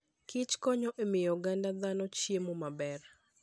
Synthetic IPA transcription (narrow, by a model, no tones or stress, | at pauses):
kɪt͡ʃkɔɲɔʔemɪjɔɡandad̪anɔt͡ʃjemomabɛr